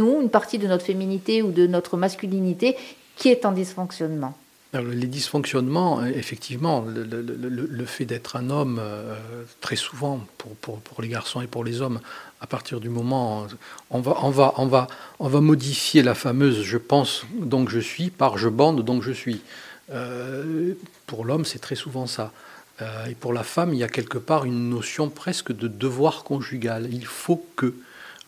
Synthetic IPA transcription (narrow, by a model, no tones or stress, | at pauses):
nuynpaʁt̪id̪ənɔt̪χəfeminit̪eud̪ənɔt̪χəmaskʲylinit̪e | kʲiɛt̪ɑ̃d̪isfɔ̃ksjɔnmɑ̃ | ɔʁləled̪isfɔ̃ksjɔnmɑ̃efɛkt̪ʰivmɑ̃lələlələlələfɛd̪ɛt̪χɛ̃nɔmøøt̪χɛsuvɑ̃puʁpuʁpʰuʁleɡaʁsɔ̃epuʁlezɔmapaʁt̪ʰiʁd̪ymɔmɑ̃ɔ̃vaʔɔ̃vaʔɔ̃vaɔ̃vamɔd̪ifjelafamøzʒəpɑ̃sd̪ɔ̃kʒəsɥipaʁʒəbɑ̃d̪d̪ɔ̃kʒəsɥiø | puʁlɔmsɛt̪χɛsuvɑ̃sa | øepuʁlafamiljakʲɛlkəpaʁynːɔsjɔ̃pχɛskəd̪əd̪əvwaʁkɔ̃ʒyɡalilfokə